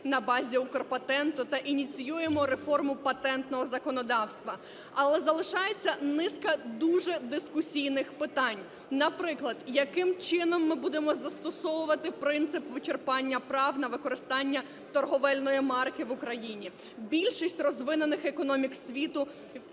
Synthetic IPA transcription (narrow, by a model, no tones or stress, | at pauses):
nɐbɑzʲiʊkɔrpɐt̪ɛnt̪ʊt̪ɐʔinʲit͡sʲijujemɔɾefɔrmʊpɐt̪ɛnt̪nɔɦɔzɐkɔnɔd̪ɑwst̪ʋɐ | ɐlˠɛzɐlˠɪʃɑjet͡sʲːɐnɪskɐd̪uʒɛd̪ɪskʊsʲijnɪxpɪt̪ɑnʲ | nɐpɾɪklˠɐd̪jɐkɪmt͡ʃɪnɔmːɪbud̪emɔzɐst̪ɔsɔʋʊʋɐt̪ɪpɾɪnt̪sɪpʋɪt͡ʃerpɑnʲːɐpɾɑwnɐʋɪkɔɾɪst̪ɑnʲːɐ | t̪ɔrɦɔʋɛlʲnɔjimɑrkɪʋʊkɾɐjinʲi | bʲilʲʃisʲtʲrɔzʋɪnenɪxekɔnɔmʲiksʲʋʲit̪ʊ